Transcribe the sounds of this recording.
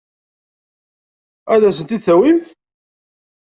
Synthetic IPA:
æðæsənt̪iθæwimθ

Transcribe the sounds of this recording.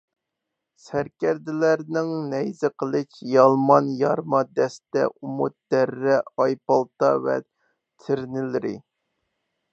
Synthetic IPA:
sæɾkʲɛɾd̪ɪlæɾnɪŋnɛjzɪqʰəlˠɨt͡ʃjɑlˠmɑnjɑɾmɑd̪ɛst̪ɛ̰umut̪̚d̪̥ɛɾːɛɑjpɑlˠt̪ɑvɛ̰ | t̪ʰɪɾnɪlɪɾɪ̰

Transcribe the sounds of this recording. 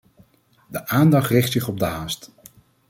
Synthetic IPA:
dəʔaːndɑχtrɪχtsɪχɔb̚dəɦaːst

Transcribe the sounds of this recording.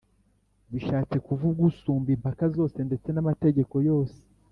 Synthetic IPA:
βiʃaːt͡se̞kuvub̚ɡusuːmbiːmpakazo̞ːse̞nde̞t͡se̞namate̞ɟe̞ko̞jo̞ːse̥

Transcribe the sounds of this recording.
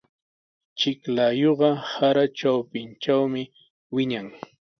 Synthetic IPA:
t͡ʃɪklajoɢɑhaɾaʈ͡ʂawpɪnt͡ʃawmɪ | wɪɲaŋ

